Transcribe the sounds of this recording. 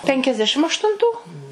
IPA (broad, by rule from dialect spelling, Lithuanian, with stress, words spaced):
pʲɛŋʲkʲɛzʲˈdʲæːʃʲɪm ɐʃtʊnˈtuː